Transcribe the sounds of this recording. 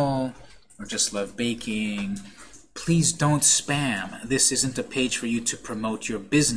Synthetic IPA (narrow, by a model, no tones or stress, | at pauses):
lˠ | ə˞d͡ʒʌstˡlʌvbeɪkʰɪ̃ŋpʰl̥izdõʊ̃ntspæ̃mðɪsɪzɨ̃ntɨpʰeɪd̥ʒ̥fə˞jɨɾɨpʰɹ̥ɨmoʊt͡ʃə˞bɪzn